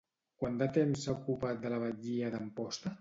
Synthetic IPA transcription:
kwand̪at̪emsːaukupat̪̚d̪ələβ̞əʎiəðəmpɔst̪ə

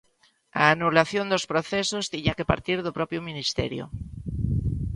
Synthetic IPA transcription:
a̰ːnulaθjond̪ospɾoθesost̪iɲakepa̰ɾt̪iɾðopɾɔpjominist̪ɛ̰ɾjo̰

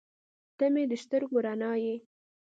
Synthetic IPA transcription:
t̪amed̪əʃt̪əɾɡʊɾanɑje

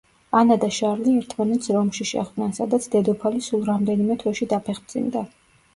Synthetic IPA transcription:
anad̪aʃaɾliɛɾt̪ʰmanɛt̪sʰɾɔmʃiʃɛ̰χd̪nɛnsad̪at̪sʰd̪ɛd̪ɔpʰalisulˠɾamd̪ɛnimɛt̪ʰwɛʃid̪apʰɛχbd̪zḭnd̪a

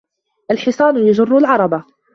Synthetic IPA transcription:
ʔalħɪsˤɑːnʊjad͡ʒʊrˤːʊlʕɑɾˤɑba

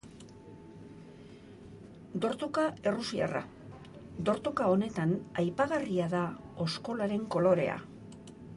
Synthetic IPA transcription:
d̪o̞ɾt̪okae̞rusia̰ra̰ | d̪o̞ɾt̪okao̞ne̞t̪anajpaɣariaðao̞sko̞laɾe̞ŋko̞lo̞ɾe̞̰a̰

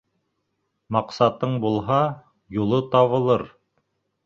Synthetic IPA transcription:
mɑqsɑt̪ɤɴbulˠɦɑ | julˠɤt̪ɑβɤ̆lˠɤɾ

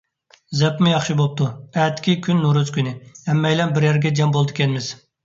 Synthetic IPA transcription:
zɛpmɪjɑχʃɨbop̚t̪uɛt̪kʲʰikʲynːuɾuz̥kʲynɪɛmːɛjlɛnbɪɾjæɾɡʲɛd͡ʒɛmbolˠd̪ɨkʲɛnɪmɪz̥

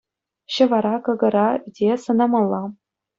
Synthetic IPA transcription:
ɕɤ̆ʋɑɾɑkɤ̆ɡɤ̆ɾɑydʲesɤ̆nɑmɑlˠːɑ

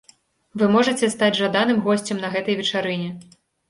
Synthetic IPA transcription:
vɨmɔʐɐt͡sʲɛst̪ad͡zʲʐad̪anɨmɣɔsʲt͡sʲɛmnɐɣɛt̪ɐjvʲɛt͡ʂaɾɨnʲɛ

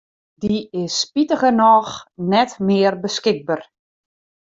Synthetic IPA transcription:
diɪsːpitəχənɔxnɛtmɪərbəskɪkɡ̚bar

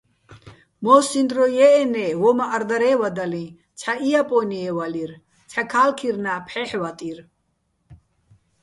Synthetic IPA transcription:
mɔsind̪ɾɔjɛːnɛwɔmaʔːɾd̪aɾɛːwad̪alĩ | t͡sʰaʔijapʼɔniɛwaliɾ | t͡sʰakʰaːlkʰiɾnapʰħɛħwat̪ʼiɾ

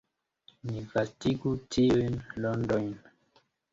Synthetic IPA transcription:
nivastiɡutʰiujnlɔndojn

